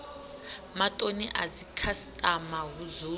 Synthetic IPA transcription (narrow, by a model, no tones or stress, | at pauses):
matʼoniʔazikʰastʼamaɦuzuː